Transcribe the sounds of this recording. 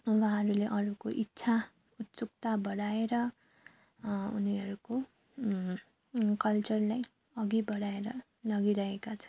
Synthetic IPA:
wãɦʌɾuleʔʌɾukoʔitːsʰa | ut̪t͡sukt̪abʌɽaeɾʌ | ṵniɦʌɾuko | kʌlt͡sʌrlaj | ʌɡibʌɽaeɾʌ | lʌɡiɾʌɦekat͡sʰʌ̥n

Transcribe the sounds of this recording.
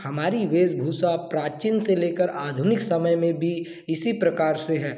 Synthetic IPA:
hɐmaːɾiʋeːzbʱuːsapɾaːt͡ʃɪnseleːkəɾaːd̪ʱʊnɪksɐməjmẽbʱi | ɪsipɾɐkaːɾseɦɛː

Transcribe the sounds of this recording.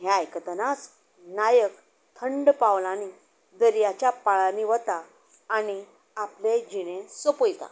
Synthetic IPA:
ɦjajkət̪ənat͡s | najək | t̪ʰəɳɖpawlani | d̪əɾjat͡ɕjapaɭaniʋət̪aː | ɽ̃i | apled͡ʑiɽ̃ẽsəpəjt̪a̰

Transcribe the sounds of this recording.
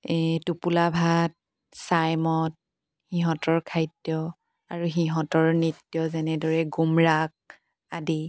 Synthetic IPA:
ɛtupulabʱat̚ | sajmɔt̚ | hiɦɔ̃tɔɹkʰajdjɔ | aɹuɦiɦɔ̃tɔɹnitːjɔzɛnɛdɔɹɛɡumɹak̚ | adi

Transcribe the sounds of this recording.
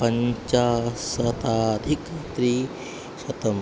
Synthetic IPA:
pɐɲt͡ʃasɐt̪ad̪ʱikt̪ɾi | sɐt̪ɐm

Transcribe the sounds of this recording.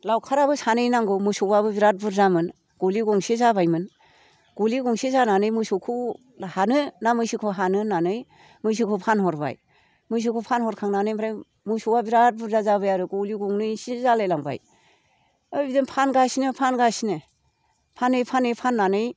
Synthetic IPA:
lawkʰaɾabɯsanɯjnaŋɡɯmɯsɔwaβɯbiɾat̚bɯɾzamɯn | ɡ̥oliɡɔŋsizabajmɯn | ɡ̥uliɡɔŋsizananɯjmɯsɔkʰɯ | lahanɯnamɯjsikʰuɦanɯnanɯj | mɯjs̬ikʰɯpʰanɦɔɾba̰j | mɯjs̬ukʰɯpʰanhɔɾkʰaŋnanɯjmbɾaj | musɔwabiɾat̚buɾzazabɯjaɾɯɡoliɡɔŋnɯjsizalejlaŋba̰j | ɯjbidɯnpʰanɡasinɯpʰanɡasinɯ | pʰanɯjpʰanɯjpʰanːanɯj

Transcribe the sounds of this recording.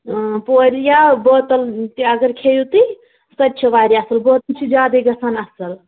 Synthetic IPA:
poɾijaboːt̪əlt̪iɐɡəɾkʰejut̪i | sɐtːt͡ʃʰɐʋaːɾjasɐlboɦt̪t͡ʃʰid͡ʒjaːd̪eɡɐsanasɐl

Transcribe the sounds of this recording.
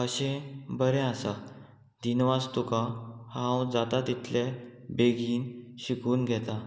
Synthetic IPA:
əɕẽbəɾɛ̃asa | d̪inʋast̪ukãhãwd͡zat̪at̪it̪lebeɡʱiːnɕikuːnɡʱɛt̪a

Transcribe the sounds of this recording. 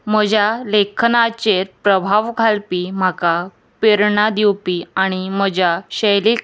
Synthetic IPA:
m̤əd͡ʑʱjalekʰnat͡ɕeɾpɾəbʱaʋɡʱalpim̤aka | peɾɳad̪iwpiaɽ̃im̤əd͡ʑaɕəjli

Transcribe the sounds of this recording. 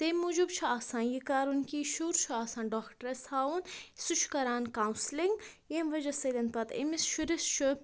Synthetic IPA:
t̪emud͡ʒubt͡ʃʰuaːsãːnjikaːɾunkiːʃuɾt͡ʃʰuaːsãːnɖoːkʈɐɾɐshaːwunsut͡ʃʰkɐɾaːnkaːw̃nsliŋɡ | jemʋɐd͡ʒɐsɐlɐn̚pɐt̪ḛmisʃuɾist͡ʃʰu

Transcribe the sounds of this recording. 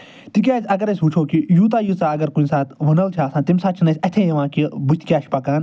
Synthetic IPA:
t̪ik̬ʲaːzʲɐɡɐɾɐsʲut͡ʃʰoːkijuːt̪̬aːjut͡saːɐɡɐɾkuĩsaːt̪ʋɐnɐlt͡ʃʰaːsãːnt̪imsaːt͡ʃʰinɐsʲɐt̪ʰẽːjɐʋãːkibut͡ʃʲt̪kʲaːʃpɐkaːn

